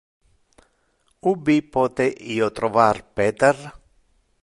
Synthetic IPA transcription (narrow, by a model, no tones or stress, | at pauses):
ubipɔːt̪eʔiːot̪ɾovarpɛːt̪er